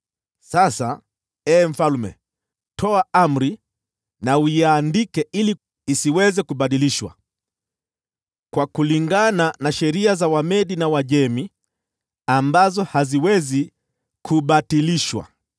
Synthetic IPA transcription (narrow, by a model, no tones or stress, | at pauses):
sasa | ɛːm̩falumɛ̰ | tʰɔaam̩ɾi | nawuandikɛʔili | isiwɛzɛkuɓaɗiliʃwa̰ | kwakuliŋɡananaʃɛɾiazawamɛɗinawaʄɛmi | ambazɔhaziwɛzi | kʰuɓatiliʃwa̰